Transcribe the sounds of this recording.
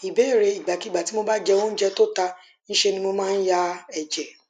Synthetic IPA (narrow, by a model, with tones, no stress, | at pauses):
i˨be˨˦˨ɾe˧i˨ɡ͡ba˨ki˨˦ɡ͡ba˨ti˨˦mo˧ba˦d͡ʒɛ˧wõ˦n̩˦d͡ʒɛ˧to˦˨ta˧ | ñ̩˦ʃe˧nĩ˧mo˧˦mãː˦n̩˦ja˧ɛ˨d͡ʒɛ˨